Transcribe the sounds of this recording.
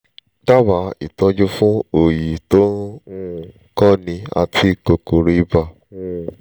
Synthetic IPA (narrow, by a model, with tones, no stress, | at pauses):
da˦ba˨˦i˨tɔ̃˨˧˦d͡ʒo˦fũ˦o˨ji˨to˦ñ̩˦˨˦ | kɔ˦nĩ˧a̰˧tʰi˦ko˧ko˨ɾi˧˦ba˨ | ũ˦˧